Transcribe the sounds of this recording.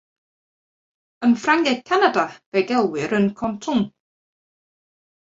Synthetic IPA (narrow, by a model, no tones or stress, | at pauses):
ənfraŋɡɛkʰanadav̥ɛɡɛlˠwɪɾənkʰɔntʰʊŋ